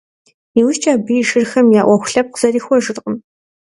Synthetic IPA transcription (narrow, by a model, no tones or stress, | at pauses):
iːwʊʃt͡ʃʼaːbɨjʒɨrxɐmjaːʔʷɔxʷʊɬɐp̚qz̥ɐɾiːxʷɔʒɨrqəm